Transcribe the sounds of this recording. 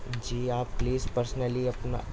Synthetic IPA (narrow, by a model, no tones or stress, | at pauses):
d͡ʒiːaːppliːzpəɾsnəliɐpna̰